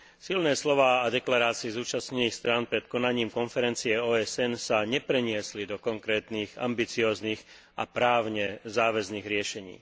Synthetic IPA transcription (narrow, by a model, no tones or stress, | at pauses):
silnɛːslɔʋaːad̪ɛklaɾaːt͡siizuːt͡ʃasɲɛniːxst̪ɾaːnpɾɛt̪kɔnaɲiːmkɔnfɛɾɛnt͡siɛɔːɛsɛnsaɲɛpɾɛɲɪɛslid̪ɔkɔŋkɾɛːt̪niːɣa̰mbit͡siɔːzniːɣ | ʔa̰pɾaːʊɲɛzaːʋɛzniːɣɾɪɛʃɛɲḭː